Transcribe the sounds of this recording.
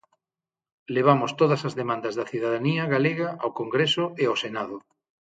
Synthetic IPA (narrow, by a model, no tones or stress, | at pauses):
leβ̞amʊst̪oðɐsɐzðemãnd̪ɐzðɐθiðaðaniɐɣaleɣɐawkoŋɡɾesʊeawsenaðʊ